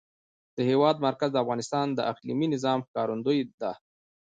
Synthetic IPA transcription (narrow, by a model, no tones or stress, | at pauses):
d̪̥əhewɑd̪̚maɾkazd̪əafɣɑnɪst̪ɑnd̪əʔaqlḭminɪzɑmxkɑɾund̪ojd̪a